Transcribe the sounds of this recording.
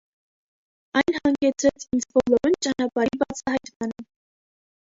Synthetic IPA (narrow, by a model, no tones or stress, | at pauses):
ɑjnhɑŋɡɛt͡sʰɾɛt͡sʰind͡zbɔlɔɾunt͡ʃɑnɑpɑɾibɑt͡sʰɑhɑjt̪mɑnə